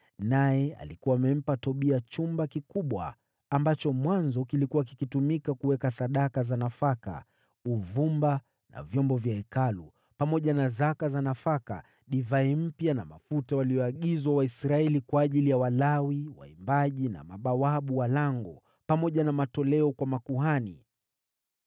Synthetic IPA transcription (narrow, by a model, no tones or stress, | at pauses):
najɛa̰likuwaːmɛm̩patɔɓiat͡ʃumbakikuɓwa̰ː | mbat͡ʃɔmwanzɔkilikuwak̬ikitumikakuwɛkasaɗakazanafaka̰ | uvumba | na̰vjɔmbɔvjaɛkalu | pamɔʄanazakazanafaka̰ | ɗivaim̩pjanamafutawaliɔaɠizwawaisɾaɛlikwaːʄilijawalawiwa̰imbaʄina̰maɓawaɓuwalaŋɡɔ | pamɔʄanamatɔlɛɔkwamakuɦanḭ